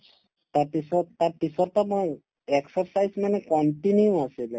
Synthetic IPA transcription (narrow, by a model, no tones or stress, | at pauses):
t̪aɾpisɔt̪aɾpisɔɾt̪amɔ | eksɔɾsajzmanekɔɳʈinjũasile